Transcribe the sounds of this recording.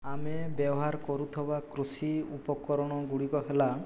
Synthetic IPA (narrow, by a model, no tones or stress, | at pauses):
amebjebɔɦaɾkɔɾut̪ʰɔbakɾusiupɔkɔɾɔɽ̃ɔɡuɽikɔɦela